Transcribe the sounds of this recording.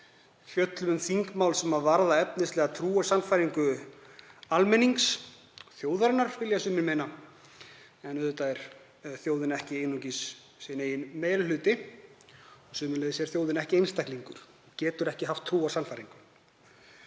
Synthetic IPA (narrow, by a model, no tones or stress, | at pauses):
fjœt̪lmʏnθiŋkmaːwlsɛmaðvaɾðaɛpnɪslɛːɣat̪ʰɾuːasanfajɾiŋkʏ | almɛnːiŋks | θjoːwðaɾɪnːaɾvɪljasʏːmɪnmejna | ɛnʏðʏt̪ajɾ̥ | θjoːwðɪnɛhcɪeːjnucisː | ɛneːjɪnmeːjɾlalʏːt̪ɪ | ɔsʏːmɪnlɛðɪsɛɾ̥θjoːwðɪnɛhcɪejnst̪ajkliŋkʏɾ̥ | cɛːt̪ʏɾɛhcɪɦaft̪ʰːɾuːasanfajɾiŋkʏ